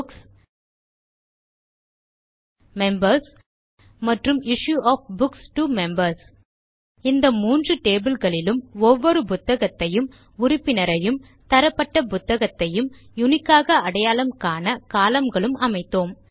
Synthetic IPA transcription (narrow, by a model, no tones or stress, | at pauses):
mɛmbɐɾs | mɐʈrɯmɪʂjuʔaːfbʊksʈumɛmbɐɾs | ɪnd̪ɐmuːndrɯʈeːbɪlɣɐɭɪlɯmɔʋːɔɾɯpʊt̪ːɐɣɐt̪ːɐjɯm | ʊrɪpːɪnɐɾɐjɯm | t̪ɐɾɐpːɐʈːɐpʊt̪ːɐɣɐt̪ːɐjɯm | jʊnɪkːaːɣɐɐɽɐjaːlɐmkaːnɐkaːlɐmɡɐɭɯmɐmɐɪt̪ːoːm